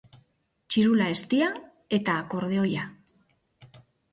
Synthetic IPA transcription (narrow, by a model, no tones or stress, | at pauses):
t͡ʃiɾulae̞st̪ia | e̞t̪aːko̞ɾð̞eo̞ja